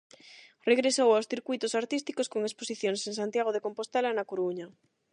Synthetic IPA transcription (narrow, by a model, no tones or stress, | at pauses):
reɣ̞ɾesowawsθiɾkuijt̪osaɾt̪ist̪ikoskoŋesposiθjoŋseŋs̬ãnt̪jaɣ̞oð̞ekompost̪elanakoɾuɲa